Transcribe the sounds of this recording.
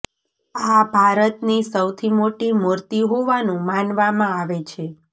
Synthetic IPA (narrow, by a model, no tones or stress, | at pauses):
abʱaɾət̪nisəwt̪ʰimoʈimoɾt̪iɦoʋanũmanʋamãaʋet͡ʃʰe